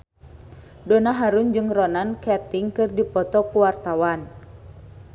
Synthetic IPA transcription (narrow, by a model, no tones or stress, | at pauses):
dɔnaɦaɾund͡ʒɨŋrɔnankɛrt̪iŋkɨrdipɔt̪ɔkuwart̪awan